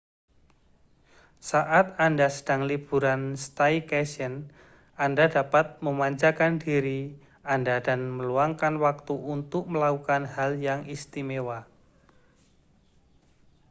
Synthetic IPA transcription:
saʔat̪̚andasə̥d̥aŋlib̥uɾanst̪aikɛsən | andadapat̪̚məmaɲt͡ʃakandiɾi | andadanməluaŋkanwak̚t̪uʔunt̪ʊk̚məlakukanhaljaŋʔist̪imewa

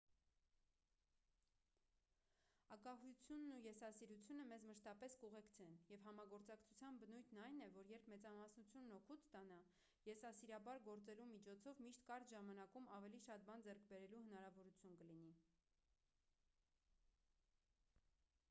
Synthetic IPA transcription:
ɑkɑɦujut͡sʰjunːujɛsɑsiɾut͡sʰjunəmɛzməʃt̪ɑpɛskuʁɛkt͡sʰɛnjɛvhɑmɑɡɔɾt͡sɑkt͡sʰut͡sʰjɑnbənujt̪ʰnɑjnɛvɔɾjɛɾpʰmɛt͡sɑmɑsnut͡sʰjunːɔkʰut̪t̪ɑnɑ | jɛsɑsiɾɑbɑɾɡɔɾt͡sɛlumit͡ʃʰɔt͡sʰɔvmiʃt̪kɑɾt̪ʒɑmɑnɑkumɑvɛliʃɑt̪̚bɑnd͡zɛɾkʰbɛɾɛluhənɑɾɑvɔɾut͡sʰjunkəlini

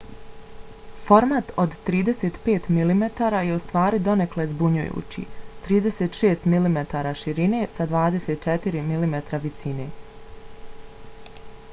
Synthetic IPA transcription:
fo̞ɾmat̪o̞d̪t̪ːɾiːd̪e̞se̞t̪pe̞ːt̪milimet̪aːɾaje̞ust̪ʋaːɾid̪o̞neklezbuɲṵjṵːt͡ɕḭt̪ɾiːd̪e̞set̪ʃeːst̪milimet̪aːɾaʃiɾine̞sad̪ʋaːd̪e̞set̪̚t͡ʃet̪iɾimilimet̪ɾaʋisine̞

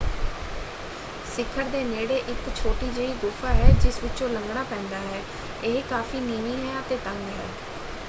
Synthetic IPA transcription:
sɪkʰːəɾd̪eːneːɽeːʔɪkt͡ʃʰoːʈiːd͡ʒeːiːɡ̪ʊːfʰaːɦɛːd͡ʒɪsʋɪt͡ʃõːləŋɡɽaːpɛ̃ːnd̪aːɦɛː | eɦkaːfiːniːniːɦɛːət̪eːt̪əŋɡɦɛː

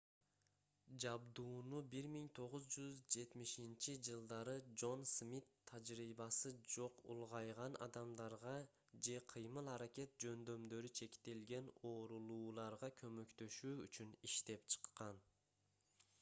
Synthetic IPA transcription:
d͡ʒɑbd̪uːnubiɾmiŋt̪ʰo̞ʁuzd͡ʒyzd͡ʒe̞t̪miʃint͡ʃid͡ʒɯlˠd̪ɑɾɯd͡ʒo̞nsmʲit̪ʰːɑd͡ʒɾiːβɑsɯd͡ʒo̞qṵlˠʁɑjʁɑnʔɑ̰d̪ɑmd̪ɑɾʁɑ | d͡ʒe̞qʰɯjmɯlˠɑɾakʲe̞t̪̚d͡ʒø̞nd̪ø̞md̪ø̞ɾyt͡ʃʰe̞kt̪elɡe̞no̞ːɾulˠuːlˠɑɾʁɑkʰø̞mø̞kt̪ø̞ʃyːyt͡ʃyniʃt̪e̞pt͡ʃʰɨ̥qːɑn

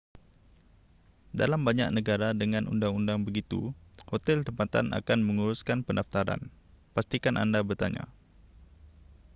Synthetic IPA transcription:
da̰lambaɲa̰k̚nəɡaɾadəŋanṵndaŋundaŋbəɡit̪ṵhot̪ɛlt̪əmpat̪a̰nʔa̰kanməŋuɾuskanpəndaft̪aɾa̰n | past̪ikanʔa̰ndabərt̪aɲa̰

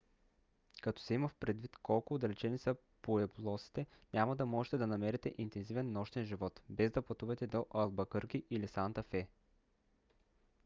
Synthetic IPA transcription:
kɐt̪ɔ̥sɛimɐfpɾɛd̪vit̪kɔlˠkʊːd̪ɐlɛt͡ʃɛnisɐ | poɛblˠɔsi̥t̪ɛnʲamɐd̪ɐmɔʒɛt̪ɛd̪ɐnɐmɛɾɛt̪ɛʔint̪ɛnzivɛnːɔʃt̪ɛnʒivɔt̪bɛzd̪ɐpɐt̪uvɐt̪ɛd̪oʔɐlˠbɐkɤɾk̟iʔilisant̪ɐfɛ

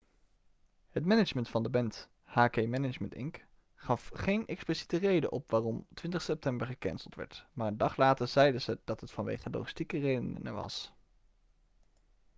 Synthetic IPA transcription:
hətmɛnɪd͡ʒməntfɑndəbɛnt | haːkejmɛnəməntɪ̰ŋk | χɑfχejnʔɛksplisitərejdə̰nʔɔ̰pʋaːrɔmtʋɪntəχsɛp̚tɛmbəɹχəkɛ̰nsəlˠtʋɛ̰ɹtmaːɹəndɑχlaːtəɹz̥ɛjdəzəd̥ɑtɦətfɑnʋḛjχəlo̰χi̥stikərejdənə̰nə̰ʋɑ̰s

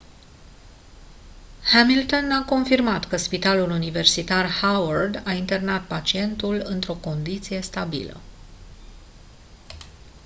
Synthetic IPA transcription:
hamilt̪o̞nako̞nfirmat̪kəspit̪alulunive̞rsit̪arhawərd̪aint̪e̞rnat̪̚pat͡ʃie̞nt̪ulɨnt̪ɾo̞ko̞nd̪it̪sije̞st̪abḭlə̰

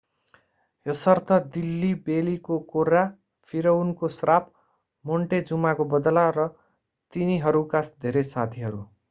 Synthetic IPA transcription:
jʌsʌrt̪ʰʌd̪ilːibelikokoɾa | pʰiɾʌunkosrap | moɳʈed͡zumakobʌd̪ʌlarʌ | t̪iniɦʌɾukasd̪ʱeɾesat̪ʰiɦʌɾu

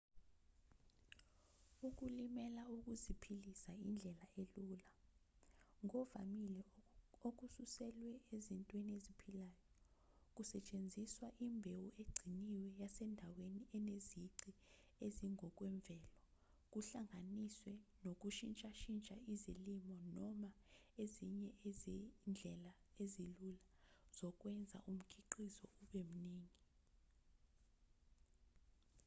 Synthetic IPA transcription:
uk̬ulimɛlauk̬ʼuzipʰilisaind͡ɮʱɛlaeluːla | ŋɔva̰milɛok̬ususɛlwɛezintʼweniezipʰilaːjɔ | k̬ʼusɛt͡ʃʼend͡zʱiswaʔimbʱewueɡ͡ǀʱiniwɛjasɛndʱaweniɛneziǀi | eziŋʱɔk̬ʼwɛɱb̪vʱɛːlɔ | k̬ʼuɬaŋʱaniswɛnok̬ʼuʃint͡ʃʼaʃint͡ʃʼaizilimɔnɔma | eziɲɛʔezind͡ɮʱɛlaezilulaz̥ɔk̬ʼwɛnd͡zʱa̰ʔum̩kʰiǃizɔ̰uɓem̩niːŋi

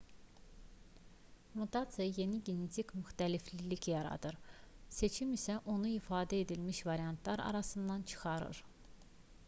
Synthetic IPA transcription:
mut̪ʰat̪sijɑje̞niɟe̞ne̞t̪ʰikmyxt̪æliflilicjɑɾɑ̰d̪ɯɾse̞t͡ʃʰimisæʔo̞nuifɑːd̪æe̞d̪ilmiʃvɑɾijɑnt̪ʰlɑɾɑ̰ɾɑsɯnd̪ɑnt͡ʃʰɯ̥xɑɾɯ̰ɾ

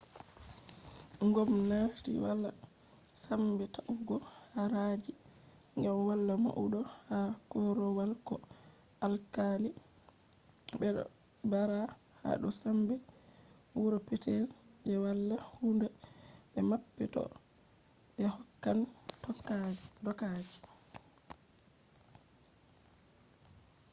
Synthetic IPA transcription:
ŋɡɔmnatḭwalːa | sambɛtaʔuɡɔhaɾad͡ʒi | ŋɡamwalːama̰ʔuɗɔhakɔɾɔwalkɔ | ʔalkali | bɛ̰ | baɾa | ha̰ɗɔ̰sambɛ | wuɾɔpɛtɛlʔɛwalːahundaɓɛmapːɛtɔ̰ | ɓɛhɔkːantɔkdɔkad͡ʒi̥

